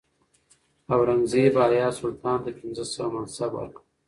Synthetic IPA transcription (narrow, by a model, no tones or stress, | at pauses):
awɾanzebɑːjɑsʊlt̪ɑːnd̪əpɪnzəsawamansaba̰ɾq